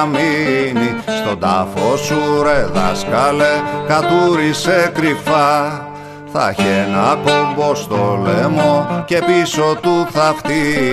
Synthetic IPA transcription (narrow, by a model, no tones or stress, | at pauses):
minist̪o̞d̪ɐfo̞suɾeðɐ̰skɐlekɐt̪uɾisekɾifɐ | θɐ̰çenɐkombo̞st̪olemo̞ce̞piso̞t̪uθɐft̪i